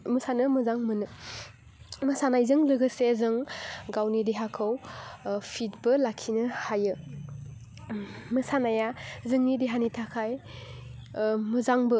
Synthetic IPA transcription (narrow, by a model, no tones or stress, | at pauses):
mɯsanɯmɯzaŋmɯnɯ | mɯsanajzɯŋzɯɡɯsezɯŋɡawnideɦakʰɯw | pʰit̚bɯlakʰinɯhajɯ | mɯsanajazɯŋnideɦanitʰakʰaj | mɯzaŋbɯ